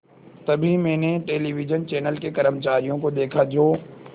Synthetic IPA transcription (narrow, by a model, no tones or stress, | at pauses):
t̪ɐbʱimɛ̃ːneʈeːliʋɪd͡ʒənt͡ʃɛːnəlkekɐɾəmt͡ʃaːɾijõkod̪eːkʰad͡ʒoː